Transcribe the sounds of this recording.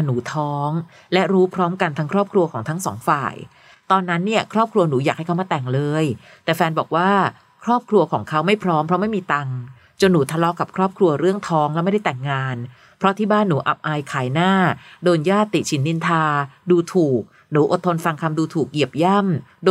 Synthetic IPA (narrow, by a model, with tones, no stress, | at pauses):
nuː˩˦t̪ʰɔː˦˥ŋ | lɛ˦˥ʔɾuː˦˥pʰɾɔː˦˥mka˧nt̪ʰa˦˥ŋkʰɾɔː˥˩p̚kʰɾu˧ɐkʰɔː˩˦ŋt̪ʰa˦˥ŋsɔ̰ː˩˦ŋfa̰ː˨˩j | t̪ɔː˧nːa˦˥nːi˥˩ɐkʰɾɔː˥˩p̚kʰɾu˧ɐnuː˩˦jaː˨˩kha˥˩kʰa˦˩wmaː˧˩t̪ɛ˨˩ŋlɤː˧j | t̪ɛː˨˩fɛː˧nbɔː˨˩k̚waː˥˩ | kʰɾɔː˥˩p̚kʰɾu˧ɐkʰɔː˩˦ŋkʰa˦˥wma˥˩jpʰɾɔː˦˥mpʰɾɔ˦˥ma˥˩jmiː˧t̪a˧ŋ | t͡ɕo˧nːuː˩˦t̪ʰa˧lɔ˦˥ka˨˩p̚kʰɾɔː˥˩p̚kʰɾu˧ɐɾɯ˥˩əŋt̪ʰɔː˦˥ŋlɛ˦˥ma˥˩jda˥˩jt̪ɛ˨˩ŋːaː˧n | pʰɾɔ˦˥t̪ʰiː˥˩baː˥˩nːuː˩˦ʔa̰˨˩p̚ʔaː˧jkʰaː˩˦jnaː˥˩doː˧njaː˥˩t̪ːi˨˩t̪̚t͡ɕʰi˩˦nːi˧nt̪ʰaː˧duː˧t̪ʰuː˨˩k̚ | nuː˩˦ʔo˨˩t̪ʰːo˧nfa˧ŋkʰa˧mduː˧t̪ʰuː˨˩k̚ji˨˩əp̚ja˥˩mdo